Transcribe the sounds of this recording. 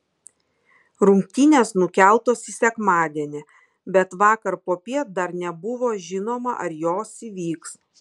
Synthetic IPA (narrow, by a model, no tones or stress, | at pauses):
ɾʊmʲkʲt̪ʲiːnʲeːsnʊkʲæˑlˠt̪oːsiːsʲɛkmɑːd̪ʲiɛnʲɪ | bʲɛt̪ʋɑːkɐɾpoːpʲiɛt̪̚d̪ɐɾnʲɛbʊʋoːʒʲɪnoːmɐʔɐɾjoːsiʋʲiːks